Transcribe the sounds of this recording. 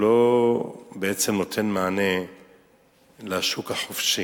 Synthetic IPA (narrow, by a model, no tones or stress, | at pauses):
lo | beʔet͡semno̞t̪ʰe̞nmaʕane | laʃukaħofʃi